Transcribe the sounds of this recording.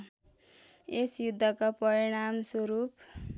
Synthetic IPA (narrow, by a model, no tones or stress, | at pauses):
esjud̪ʱːʌkapʌɾiɽ̃amsoɾup